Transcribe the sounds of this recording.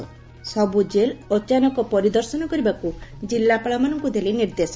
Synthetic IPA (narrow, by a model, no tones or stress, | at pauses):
sɔbud͡ʒelɔt͡ʃanɔkɔpɔɾid̪ɔɾsɔnɔkɔɾibakud͡ʒilːapaɭamanɔŋkud̪eliniɾd̪esɔ